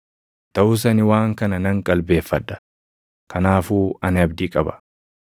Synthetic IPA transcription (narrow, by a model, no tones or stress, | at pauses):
t̪ɐʔʊs̬ɐnɪwaːŋkɐnɐnɐŋkʼɐlbe̞ːfːɐd̪ːɐ̥ | kʰɐnaːfuːɐnɐbd̪ɪkʼɐbɐ̥